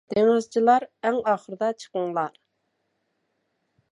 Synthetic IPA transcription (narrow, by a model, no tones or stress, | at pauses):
d̪̥eŋɪzt͡ʃʰilˠɑɾæŋɑːχəɾɨd̪ɑt͡ʃʰə̥qəŋlˠɑɾ